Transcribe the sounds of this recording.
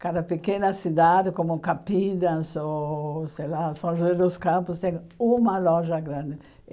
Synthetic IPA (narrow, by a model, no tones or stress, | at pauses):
kad̪ɐpekẽnɐsid̪ad̪ɪkõmʊkapid̪ɐ̃soselasõw̃ʒed̪oskãmpʊst̪ɛ̃ŋũmɐlɔʒɐɡɾãnd̪ɪ